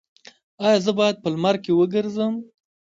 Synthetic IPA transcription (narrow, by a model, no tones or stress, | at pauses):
ɑjɑzəbɑjad̪̚pəlmaɾkewəɡəɾzəm